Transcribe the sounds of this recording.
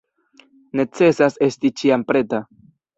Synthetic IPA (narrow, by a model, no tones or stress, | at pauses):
ne̞t͡se̞sase̞stit͡ʃiampɾe̞ta